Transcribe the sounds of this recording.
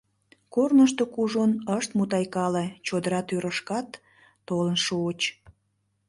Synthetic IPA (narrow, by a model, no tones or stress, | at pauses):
kornəʃt̪okuʒonəʃt̪mut̪ɑjkɑlet͡ɕod̪əɾɑt̪yɾəʃkɑt̪ː | olənʃuot͡ɕ